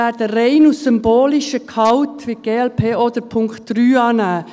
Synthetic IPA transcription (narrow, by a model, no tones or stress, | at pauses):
æːdərɛɪnusʏmboːlɪʃəkʰɑʊtʋiɡ̥eːɛlpʰeːod̥̪əɾpʰʊŋktːɾyːɑːnaː